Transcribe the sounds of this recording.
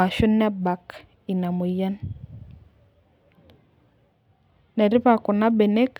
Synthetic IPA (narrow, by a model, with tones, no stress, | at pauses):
a˨ʃu˦nːɛ˦ba˨k | i˨na˨mo˨ja˦n | nɛ˨ɾɪ˦βa˨kʊ˨na˦bɛ˨nɛ˦k